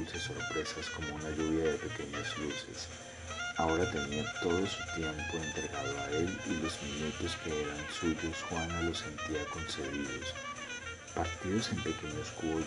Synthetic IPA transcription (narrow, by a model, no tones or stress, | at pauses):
ut͡ʃasːo̞ɾpɾe̞sasko̞mo̞unaʝuβ̞jaðe̞pe̞ke̞ɲazluse̞̰s | aoɾat̪e̞niat̪o̞ðo̞sut̪je̞mpo̞ent̪ɾeɣaðoaelilo̞zmiɲut̪o̞ske̞eɾansuʝosxwanalo̞se̞nt̪iako̞nse̞ðiðo̞s | paɾt̪iðo̞se̞mpe̞ke̞ɲosko